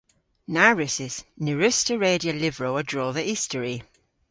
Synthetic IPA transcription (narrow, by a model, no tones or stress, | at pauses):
naɹʉsɪsnʉɹʉstəɹeːdiəlɪvɹoːədɹɔːðəʔiˑstəɹi